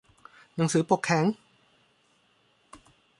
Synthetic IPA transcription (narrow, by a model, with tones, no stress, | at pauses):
na˨˩˦ŋsɯː˩˦po˨˩kʰːɛ˩˦ŋ